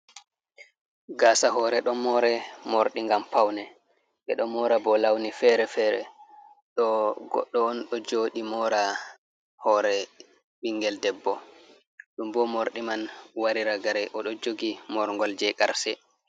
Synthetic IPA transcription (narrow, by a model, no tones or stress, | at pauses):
ɡaːsaɦɔːɾɛɗɔmɔɾɛmoɾɗiŋɡampawnɛ | ɓɛ̰ɗɔmɔɾabɔlawnifɛɾɛfɛɾɛ̰ | ɗɔɡɔ̰ɗːɔːnɗɔd͡ʒoːɗimɔːɾa | hɔːɾɛ | ɓiŋːɡɛldɛbːɔ | ɗumbɔmoɾɗimanwaɾiɾaɡaɾɛʔɔɗɔd͡ʒoɡimɔɾŋɡɔld͡ʒɛkaɾsɛ